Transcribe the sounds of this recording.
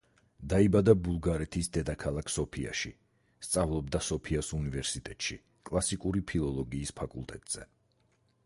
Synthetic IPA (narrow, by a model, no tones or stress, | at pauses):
d̪aibad̪abulˠɡaɾɛt̪ʰisd̪ɛd̪akʰalˠakʰsɔpʰia̰ʃi | st̪sʼavlˠɔb̚d̪asɔpʰiasunivɛɾsit̪ʼɛt̪ʼʃḭ | kʼlˠasikʼuɾipʰilˠɔlˠɔɡiːspʰakʼṵlˠt̪ʼɛt̪ʼz̥ɛ̰